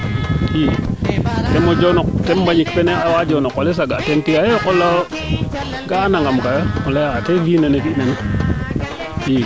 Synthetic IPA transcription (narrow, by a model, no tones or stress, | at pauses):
i | temod͡ʒonɔk̚tembaɲikpeneawad͡ʒonɔkwales̬aɡa̰tentiajekola | ɡaːnaŋɡamkajomolejakatevinanetinani | i